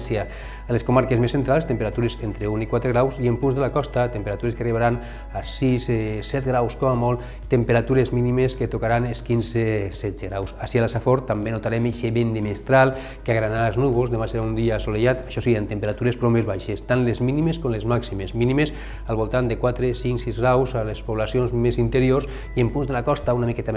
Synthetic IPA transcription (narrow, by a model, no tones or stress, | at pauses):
sia | əleskomaɾkezmesːent̪ɾalˠst̪empeɾat̪uɾezent̪ɾeunikwat̪ɾeɣɾawziempunzðelakɔst̪at̪empeɾat̪uɾeskəariβaɾan | asissɛt̪ɡɾawskɔmamɔlˠ | t̪empeɾat̪uɾezminimesket̪okaɾaneskinzesɛdd͡zeɣɾawsasialasafoɾt̪ambenot̪aɾɛmeʃeβend̪emest̪ɾalˠ | keaɣɾanalznuβolˠzðemaseɾaund̪iaːsoleʒat̪aʃɔseɾient̪empeɾat̪uɾespɾombezβajʃest̪anlezminimeskomlezmaksimezminimes | alˠβolˠt̪and̪ekwat̪ɾesiŋksizɣɾawzalespoβlasijonzmezint̪eɾiors | iempunzðelakɔst̪aunamikɛt̪a